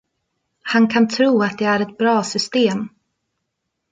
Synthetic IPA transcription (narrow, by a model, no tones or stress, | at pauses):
hankʰant̪ʰɾuːat̪̚d̪ɛæɾɛt̪̚bɾɑːsʏst̪eːm